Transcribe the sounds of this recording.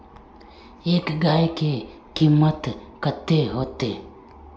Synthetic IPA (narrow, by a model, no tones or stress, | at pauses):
eːkɡaːeke | kiːmːət̪kət̪eɦoːt̪eː